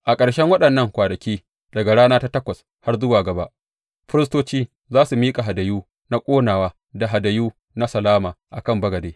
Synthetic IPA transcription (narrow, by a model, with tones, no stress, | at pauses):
ʔa˨kʼɐ˨ɽʃɛ˦ŋwɐ˦ɗɐ˨nːɐ˦˨ŋkʷaː˨dɐ˨kʲiː˦ | dɐ˨ɡa˨ɽaː˦naː˦ta˦tɐ˦kʷɐ˨s | ha˦rzʊ˦waː˨ɡɐ˨ba˦ʔ | ɸɪ˦ɾɪ˦s̬toː˦t͡ʃiː˦ | zaː˦su˨miː˦kʼa˨ɦa˨dɐ˨juː˦ | na˦kʷʼoː˦naː˨waː˦ | da˨ɦa˨dɐ˨juː˦ | na˦sɐ˨laː˦maː˨ʔa˨kɐ˦˨mbɐ˦ɡɐ˨deː˦